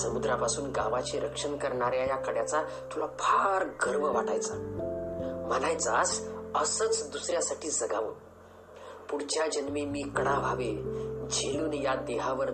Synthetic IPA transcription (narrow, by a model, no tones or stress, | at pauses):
səmud̪ɾapasuːnɡaʋat͡ɕiɾəkʂənkəɾɳaɾjajakəɽjat͡sa | t̪ʰulapʰaɾɡʱəɾməʋaʈajt͡sa | m̤ənajt͡sasəsət͡sd̪usɾjasaʈiːd͡zəɡaʋə | puɽt͡ɕjad͡ʑənʋimiːkəɽaʋʱaʋed͡ʑʱeluːnjad̪eɦaʋəɾ